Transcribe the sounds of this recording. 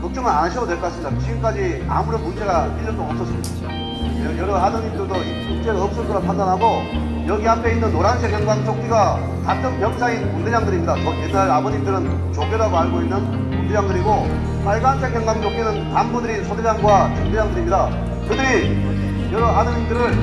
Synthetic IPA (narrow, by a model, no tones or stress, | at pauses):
kɯk̚t͡ɕ͈ʌŋɯnanɯɕʰidodwe̞ɭkoas͈ɯmːɲid̪aɕʰiɡɯmk͈ad͡ʑi | a̰muɾomukt͡ɕ͈eɡapid͡ʑɯɭd͈oʌps͈ʌs͈ɯmɲida | ejʌɾʌɦanɯɲimdɯɭdoikuk̚t͡ɕ͈eɾoʌp̚s͈otʰɯɾapʰandanɦaɡo | jʌɡiɦamkʰe̞inːɯnːoɾansʰekʰjʌŋɡwaŋt͡ɕʰok̚t͈iɡa | tat͈ʰɯnpjʌk̚sʰainkunded͡ʑaŋdɯɾimɲidasojenːaɾaboɲimdɯɾɯn | t͡ɕok̚ɡeɾaɡoɦaɭɡoinːɯn | kuŋded͡ʑaŋdɯɾiɡo | naɭɡansʰekjʌŋɡwaŋt͡ɕok͈inɯntanbudɯɾisʰoded͡ʑaŋɡwat͡ɕuŋded͡ʑaŋdɯɾimɲida | kɯdɯɾi | jʌɾʌɦanɯɲimdɯɾɯɭ